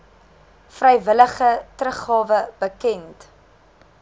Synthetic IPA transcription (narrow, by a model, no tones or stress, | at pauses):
frɛjvələχətrəχɑːvəb̥əkɛnt